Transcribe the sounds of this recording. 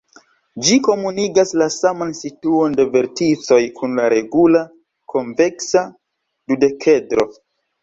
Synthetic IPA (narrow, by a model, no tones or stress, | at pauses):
d͡ʒiko̞muniɡaslasamansituo̞nde̞ve̞ɾtit͡so̞jkʰunlaɾe̞ɡula | kʰo̞ɱveksa | dude̞kʰe̞dɾo̞